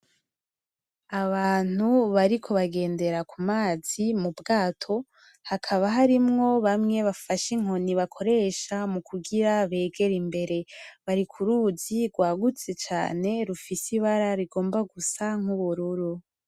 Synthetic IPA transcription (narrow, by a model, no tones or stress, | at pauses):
aβaːn̥uβaɾikʰo̞βaɡe̞ːnde̞ɾakumaːz̥imubɡaːtʰo̞ | hakʰaβaɦaɾimŋo̞βamŋe̞βafaʃiŋoniβakʰo̞ɾe̞ʃamukʰuɡiɾaβe̞ːɡe̞ɾimbe̞ɾe̞βaɾikʰuɾuziɡwaːɡut͡se̞t͡ʃa̰ːne̞ɾufisiβaɾaɾiɡo̞ːmbaɡusaŋ̥huβuɾuɾu